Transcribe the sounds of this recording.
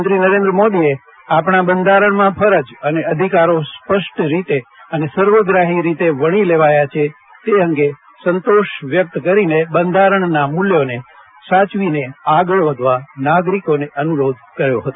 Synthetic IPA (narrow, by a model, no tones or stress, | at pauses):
t̪ɾinəɾẽnd̪ɾəmod̪ie | apɳabənd̪ʱaɾəɳ̃mãpʰəɾəd͡ʒəneəd̪ʱikaɾospəʃʈɾit̪eənesəɾʋəɡɾaɦiɾit̪eʋəɽ̃ileʋajat͡ʃʰe | t̪eɦə̃ŋɡe | sənt̪oʃʋjək̚t̪kəɾinebənd̪ʱaɾəɳ̃namuljone | sat͡ʃʋineaɡəɭʋəd̪ʱʋanaɡɾikoneʔənuɾod̪̚ʱkəɾjo̰ɦət̪o